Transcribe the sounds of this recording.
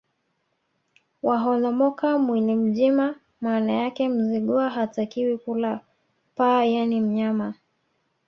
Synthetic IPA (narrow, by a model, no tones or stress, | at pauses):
waɦɔnɔmɔkamwilim̩ʄima | maːnajakɛm̩ziɠuaɦatakiwikula | pajanim̩ɲama